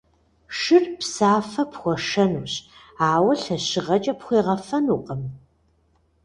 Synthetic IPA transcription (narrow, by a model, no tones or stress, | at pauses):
ʂɨrpsaːfɐpxʷɔʂɐnuːɕ | aːwɐɬɐɕɪʁɐt͡ʃʼɐpχʷiːʁɐfɐnuːqəm